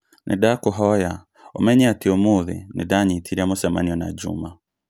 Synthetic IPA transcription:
nʔḛdakoɦɔja | ɔmɛɲɛatiɔmoðḭnɪdaɲitʰiɾiamosɛma̰niɔna̰d͡ʒṵma

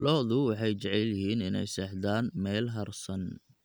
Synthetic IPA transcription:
lɔːðʊwɑħɑjt͡ʃɐʕɛljɪɦiːnɪnɛ̰jsɛːħd̪aːnmɛːlɦɐrsɐn

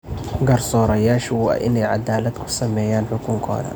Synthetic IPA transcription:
ɡɐrsɔːɾɐjaːʃwa̰ːʔɪnɛjʕa̰d̪aːlɐd̪kʰʊ̥sɐmɛːjaːnħʊkʰʊŋkʰɔ̰ːðɐ̰

